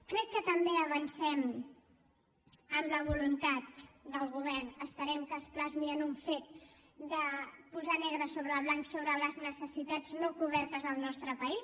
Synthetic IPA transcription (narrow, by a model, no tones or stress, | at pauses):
kɾɛkːət̪əmbeəβənsɛm | əmləβ̞ulunt̪at̪̚d̪əlˠɣuβ̞ɛrnəspəɾɛmkəsplazmiənuɱfet̪̚ | d̪əpuzanɛɣɾəsoβɾəːβlaŋksoβɾələznəsəsit̪ad͡znokuβ̞ɛɾt̪əzəlˠnɔst̪ɾəpəis